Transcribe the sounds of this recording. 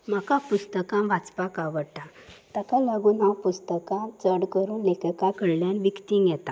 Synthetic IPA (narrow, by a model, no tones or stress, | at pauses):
m̤akapust̪əkãmʋat͡spakaʋəɽʈa | t̪akalaɡuːnɦapust̪əkãt͡səɽkəɾuːnlekəkakəɽljanʋikt̪iŋɡjɛt̪a